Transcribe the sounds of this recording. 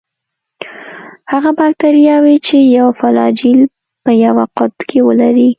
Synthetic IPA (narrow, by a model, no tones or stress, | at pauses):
haɣabɑk̚t̪aɾijɑwit͡ʃejawfalɑd͡ʒil | pəjawaqʊt̪̚kʰewəlaɾi